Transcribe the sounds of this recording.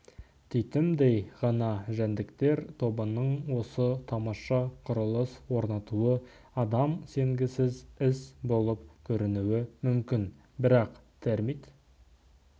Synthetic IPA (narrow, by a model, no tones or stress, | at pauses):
t̪ʰejt̪ɪmd̪ejʁɑnɑʒænd̪ɪkt̪e̞ɾt̪ʰo̞bənəɴwo̞sət̪ʰɑmɑʃɑqʰʊɾəlˠəswo̞ɾnɑt̪uə | ɑd̪ɑmse̞ŋɡʲɪsɪzɪsbo̞lˠəpkʲʰɵɾɪnuwɪmʏmkʲɪn | bɪɾɑqt̪ʰeɾmit̪